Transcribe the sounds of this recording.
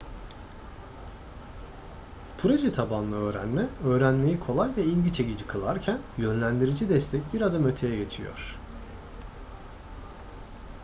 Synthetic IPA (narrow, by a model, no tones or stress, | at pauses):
pʰuɾod͡ʒit̪ʰabanlˠɯø̞ːɾæ̰nmɛø̞ːɾænme̞jikʰo̞lˠajvɛilʲɟit͡ʃʰeɟid͡ʒikʰɯlˠaɾcʰænjø̞nlʲænd̪iɾid͡ʒid̪ɛst̪ʰɛc̚biɾad̪amøt̪ʰe̞jɛɟe̞t͡ʃʰijo̰ɾ̝̥